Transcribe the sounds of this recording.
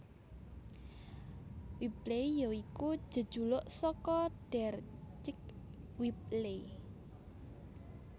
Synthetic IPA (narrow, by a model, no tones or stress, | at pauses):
wiplejjoikud̥ʒ̥ə̤d̥ʒ̥ṳlʊʔsɔkɔɖ̥ɛrt͡ʃɪk̚wip̚le